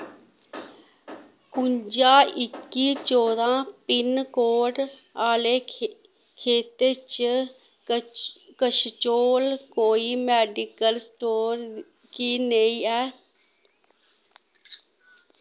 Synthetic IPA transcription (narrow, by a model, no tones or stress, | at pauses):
kʊɲd͡ʒaːʔɪkːiːt͡ʃoːd̪ãːpɪnkoːʈaːleː | kʰeːt̪et͡ʃ | kəʃt͡ʃoːlkoːiːmɛːɖɪkəlsʈoːɾ | kiːneĩːɛː